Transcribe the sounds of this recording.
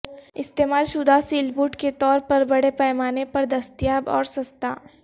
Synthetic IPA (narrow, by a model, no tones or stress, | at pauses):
ɪst̪eːmaːlʃʊd̪ʱasiːlbuːʈket̪ɔːɾpɐɾbɐɽepɛːmaːnepɐɾd̪ɐst̪ɪjaːbɔ̰ːɾsɐst̪a̰ː